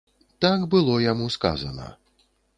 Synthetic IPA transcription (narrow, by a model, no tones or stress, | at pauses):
t̪akbɨlˠɔjamuska̰zɐ̰nɐ̰